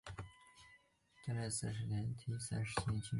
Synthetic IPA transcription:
t̪a˥˧le˥˩sɹ̩˥˩ʂ̬ɻ̩˧˥˩njɛ˧˥nt̪ʰi˥sa˥nʂ̩˧˥t͡ɕʰi˥˧˥t͡ɕʰi˥

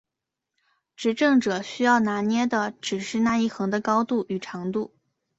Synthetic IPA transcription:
ʈ͡ʂɻ̩˧˥ʈ͡ʂɤ˥˩ŋʈ͡ʂɤ˨˩ɕy˥jɑ˥˩ʊna˧˥njɛ˥d̪ə˨ʈ͡ʂɻ̩˨˩ʂɻ̩˥˧na˥˧i˥˩xɤ˧˥ŋd̪ə˧kɑ˥ʊt̪u˥˩y˨˩ʈ͡ʂʰɑ˧˥ŋt̪u˥˩

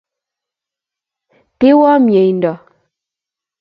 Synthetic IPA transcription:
te˦wɔ˦mje˨jndɔ˨

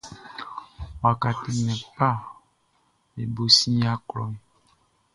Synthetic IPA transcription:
wa˨ka˨ti˨nɛ̃˨pa˦˨ | e˨bo˨sĩ˦a˦klɔ˨ɛ˨

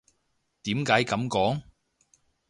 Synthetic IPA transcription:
t̪iː˨˥mkaː˨˥jkɐ˨˥mkɔː˨˥ŋ

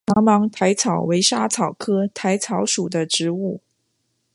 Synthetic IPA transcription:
ɑ˧˥ŋmɑ˧˥ŋt̪ʰa˧˥ɪt͡sʰɑ˨˩ʊwe˧˥ɪʂa˥t͡sʰɑ˨˩ʊkʰɤ˥t̪ʰa˧˥ɪt͡sʰɑ˧˥ʊʂu˨˩d̪ə˦ʈ͡ʂɻ̩˧˥u˥˩

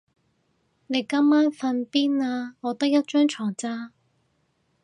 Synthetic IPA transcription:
ne˨˧jkɐ˥mːaː˥nfɐ˧npiː˥naː˧ŋɔː˨˧t̪ɐ˥k̚jɐ˥t̚t͡ʃœː˥ŋt͡ʃʰɔː˨˩ŋt͡saː˥

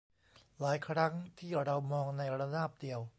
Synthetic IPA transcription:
laː˩˦jkʰɾa˦˥ŋt̪ʰiː˥˩ɾa˧wmɔː˧ŋna˧jɾa˧daː˥˩p̚di˧əw

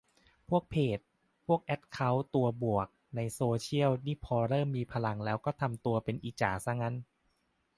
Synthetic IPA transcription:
pʰu˥˩ək̚pʰeː˨˩t̪̚ | pʰu˥˩ək̚ʔɛ˦˥t̪̚kʰa˦˥wt̪u˧ɐbu˨˩ək̚na˧jsoː˧t͡ɕʰi˥˩əwniː˥˩pʰɔː˧ɾɤː˥˩mːiː˧pʰa˧la˧ŋlɛː˦˥wkɔː˥˩t̪ʰa˧mt̪u˧ɐpe˧nʔi˨˩t͡ɕa̰ː˨˩sa˧˥˩ŋːa˦˧˥n

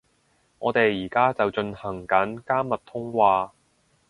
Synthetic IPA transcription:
ŋɔː˨˧t̪e˨jːiː˨˩kaː˥t͡sɐ˨wt͡ʃɵ˧nhɐ˨˩ŋkɐ˨˥nkaː˥mːɐ˨t̚t̪ʰʊ˥ŋwaː˧

